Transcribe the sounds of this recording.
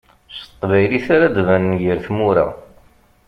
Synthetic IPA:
sə̥t̪ˤːvæjliθaɾad̪vænnjəɾθmuɾa̰

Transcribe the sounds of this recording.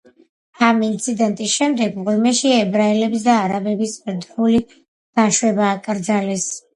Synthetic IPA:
amint̪sʰid̪ɛnt̪ʼisʃɛmd̪ɛɡmʁulmɛʃiɛbɾaɛlɛbsd̪aːɾabɛbisɾd̪vuli | ɡ̥aʃwɛbaːkʼɾd̪zalɛs

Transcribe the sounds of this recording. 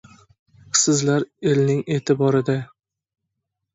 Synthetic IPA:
sɪzlaɾelnɪŋe̞t̪ʰɪbɒɾɪd̪a

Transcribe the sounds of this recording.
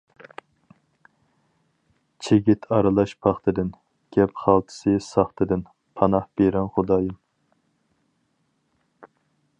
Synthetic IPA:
t͡ʃʰeɡʲit̪ʰɑɾɨlˠɑʃpʰɑχt̪ʰɨd̪ɨn | ɡ̥ʲɛpχɑlˠt̪ʰɨ̥sɨsɑχt̪ʰɨd̪ɨn | pʰɑnɑhb̥eɾɛnχod̪ɑːjɨm

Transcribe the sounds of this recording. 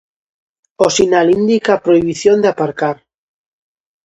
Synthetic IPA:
osinalind̪ikapɾoiβ̞iθjond̪eapaɾkaɾ

